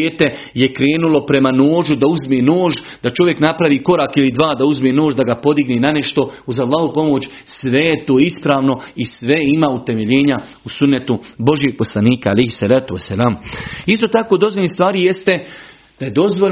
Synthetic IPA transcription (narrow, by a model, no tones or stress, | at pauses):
eːt̪e̞ | jekɾe̞ːnulo̞pɾe̞mano̞ːʒud̪auzmeːnoːʒ | d̪̥at͡ʃo̞ʋje̞knapɾaʋiːko̞ɾaːkilid̪ʋaːd̪auzmeːno̞ːʒd̪aɡapo̞d̪iɡnenaneʃt̪o̞uzalˠːaːhupo̞mo̞ːt͡ɕ | sʋe̞jet̪oːispɾaːʋno̞isʋe̞imaːut̪e̞me̞ʎeːɲa | usunːet̪ubo̞ʒieːɡ̚po̞slˠaniːkaːlejhisalaːt̪uasːalaːmist̪o̞ːt̪akod̪o̞zʋoʎʲist̪ʋaːɾije̞st̪e̞ | d̪̥aje̞d̪o̞zʋo